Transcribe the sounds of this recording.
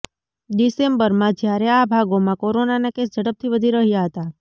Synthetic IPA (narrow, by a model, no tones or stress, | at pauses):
ɗ̪isembəɾmãd͡ʒjaɾeabʱaɡomãkoɾonanakesd͡ʒəɽəp̚t̪ʰiʋəd̪ʱiɾəɦjaɦət̪a